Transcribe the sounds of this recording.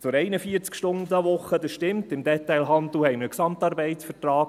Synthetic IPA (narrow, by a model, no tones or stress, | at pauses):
t͡sʊɾɛɪnəfiəɾt͡skʃtʊndəʋʊχːəd̪əsʃtɪmtɪmd̪ɛtɛɪlɦɑnd̪l̩hɛɪməksɑmtɑːɾbɛɪtsfətrɑːk̚